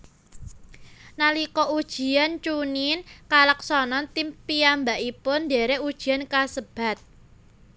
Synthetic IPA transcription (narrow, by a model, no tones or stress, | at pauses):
nalikɔʔud̥ʒ̥i̤ant͡ʃuninkalək̚sɔnɔnt̪impiambaʔipʊndeɾeud̥ʒ̥i̤ankasəb̥a̤t̪̚